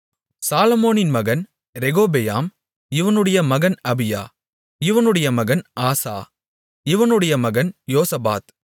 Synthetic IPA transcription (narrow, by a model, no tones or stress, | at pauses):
saːlɐmoːnɪnmɐɣɐn | ɾɛɣoːbejaːm | ɪʋɐnɯɽɐjɐmɐɣɐnɐbɪja̰ː | ɪʋɐnɯɽɐjɐmɐɣɐnʔaːsa̰ː | ɪʋɐnɯɽɐjɐmɐɣɐnjoːsɐba̰ːt̪